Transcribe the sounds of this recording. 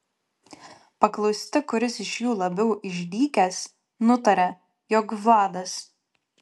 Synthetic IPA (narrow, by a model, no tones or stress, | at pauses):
pɐklˠɐʊsʲt̪ʲɪkʊɾʲɪsɪʃjuːlˠɐbʲɛʊʔɪʒʲd̪ʲiːkʲɛs | nʊt̪ɐɾʲɛ | jɔːkʋɑːd̪ɐs